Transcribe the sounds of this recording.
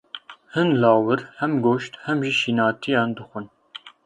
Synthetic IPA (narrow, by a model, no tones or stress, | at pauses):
hɨnlɑːwɨɾhɛmɡoːʃt̪hɛmʒiʃiːnɑːt̪ʰijɑːnd̪ɨxʷɨn